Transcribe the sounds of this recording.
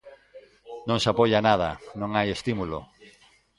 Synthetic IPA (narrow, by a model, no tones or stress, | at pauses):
nõŋsapoʎanaðɐ̰nõŋajest̪imulo̰